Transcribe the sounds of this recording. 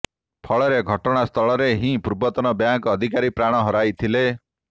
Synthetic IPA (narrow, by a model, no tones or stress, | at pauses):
pʰɔɭɔɾeɡʱɔʈɔɽ̃ast̪ʰɔɭɔɾeɦĩpuɾbɔt̪ɔnɔbjaŋkːd̪ʱikaɾipɾaɽ̃ɔɦɔɾajt̪ʰile